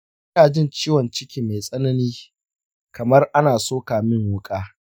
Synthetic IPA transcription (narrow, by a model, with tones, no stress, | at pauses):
ɐ˦aː˨d͡ʒɪ˦nt͡ʃiː˦wɔ˨nt͡ʃɪ˦kʲiː˨me˨jsʼɐ˦nɐ˦niː˦ | kɐ˨mɐ˦rʔa˦naː˨soː˦kaː˨mɪ˦ŋwʊ˦kʼaː˦